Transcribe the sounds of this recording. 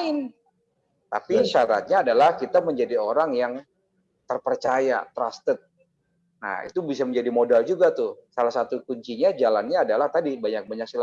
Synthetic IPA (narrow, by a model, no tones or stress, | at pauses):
ɪn | t̪a̰piʃaɾa̰t̪̚ɲaːdalahkit̪aməɲd͡ʒadioɾaŋjaŋ | t̪ərpərt͡ʃaja̰t̪ɾa̰st̪ət̪̚ | na̰hḭt̪ubisaməɲd͡ʒadimodald͡ʒuɡat̪ʊhsalahsat̪ukuɲt͡ʃiɲad͡ʒalanɲaːdalaht̪adibaɲak̚baɲak̚sila